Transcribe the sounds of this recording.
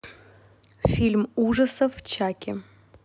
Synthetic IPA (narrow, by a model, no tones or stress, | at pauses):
fʲilʲmuʐɐsɐft͡ɕʰakʲʰɪ